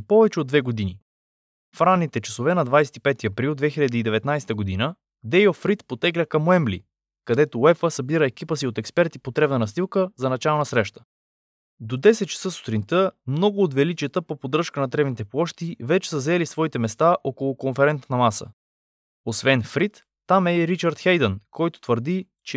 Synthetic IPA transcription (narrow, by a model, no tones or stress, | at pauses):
pɔvɛt͡ʃɛod̪vɛɡod̪ini | fɾanːit̪ɛt͡ʃɐsovɛnɐd̪vajsɛ̥t̪ipɛt̪iɐpɾilˠd̪vɛxiʎʲɐd̪iːd̪ɛvɛt̪najst̪əɡod̪inə | d̪ɛjofɾit̪pot̪ɛɡlʲəkɐmoɛmblḭ | kɐd̪ɛt̪oɛfəsɐbiɾəɛk̟ipəsiot̪ɛkspɛɾt̪ipot̪ɾɛbnənɐst̪ilˠkəzɐnɐt͡ʃalˠnɐsɾɛʃt̪ə̥ | d̪od̪ɛsɛt̪̚t͡ʃɐ̥səso̥t̪ɾint̪əmnɔɡʊːt̪vɛlit͡ʃijət̪əpopod̪ɾɤʃkənɐt̪ɾɛvnit̪ɛplˠɔʃt̪ivɛt͡ʃɛ̥səzɛlisvɔit̪ɛmɛst̪aʔokolˠokonfɛɾɛnt̪nɐmasə̰ | osvɛnfɾit̪ː | amɛɾit͡ʃəɾt̪xɛjd̪ənkʰɔjt̪o̥t̪vəɾd̪i | t͡ʃɛ